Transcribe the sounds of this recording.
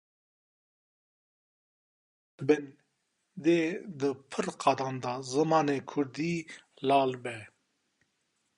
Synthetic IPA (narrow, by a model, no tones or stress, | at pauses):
ben | d̪ed̪əpʰəɾqad̪and̪azəmɑːnekʰuɾd̪iː | laːlbɛ